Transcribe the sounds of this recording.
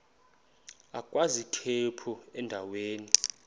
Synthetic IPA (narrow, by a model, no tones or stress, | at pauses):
akʼwazitʰepʰuɛndʱaweːni